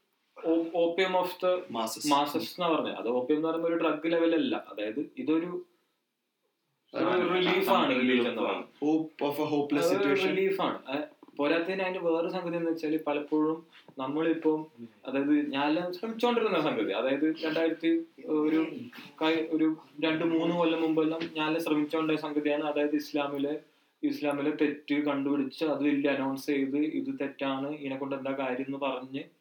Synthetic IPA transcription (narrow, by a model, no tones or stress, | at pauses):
oːo̞ːpːijɐmoft̪ɨmaːsɐssenːɨpɐrɐɲːṵʔɐ̰ðɨoːpːijɐmnɨpɐrɐɲːo̞ɾuɖrɐɡːileʋɐlɐlːɐ̰ʔɐðaːjɐðɨiðo̞ɾu | oɾuriliːfaːɳɨriliːfenːɐpɐrɐ̰ɲːhoːpofɦoːpːlɐseriliːfaːɳɨ̰ɐpo̞ːɾaːt̪ːɐðinaːɐneʋeːrɨsɐŋɡɐðijenːɨʋet͡ɕːaːɭipɐlɐpːo̞ːɻumnɐmːɐɭipːomɐ̰ðaːjɐðɨɲaːleɕrɐmit͡ɕːoːɳɖiɾununːasɐŋɡɐðḭɐ̰ðaːjɐðɨɾe̞ɳɖaːjiɾɐt̪ːioɾukɐjo̞ɾuɾe̞ɳɖɨmuːnːɨʋolːɐmːumbɐːlnɐmɲaːleɕrɐmit͡ɕːoːɳɖɐsɐŋɡɐðijaːɳɨɐðaːjɐðɨislaːmile̞ | islaːmilet̪e̞tːɨkɐɳɖupiɽit͡ɕːɨɐðɨʋɐlːɐɐnɐwɳst͡ɕe̞jt̪ɨiðɨt̪e̞tːaːɳɨinekːoɳɖend̪aːkaːɾjɐmenːɨpɐrɐɲːɨ